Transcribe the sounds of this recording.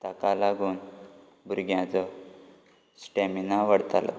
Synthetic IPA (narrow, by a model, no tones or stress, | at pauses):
t̪akalaɡuːn | buɾɡjãt͡sɔ | sʈeminaʋəɽt̪alɔ̰